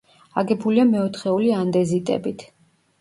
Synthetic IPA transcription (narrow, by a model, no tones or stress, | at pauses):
aɡɛbuliamɛɔt̪ʰχɛuliand̪ɛzit̪ʼɛ̰bit̪ʰ